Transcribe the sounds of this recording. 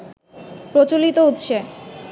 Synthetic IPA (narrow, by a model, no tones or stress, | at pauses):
pɾot͡ɕolit̪out̪ʃe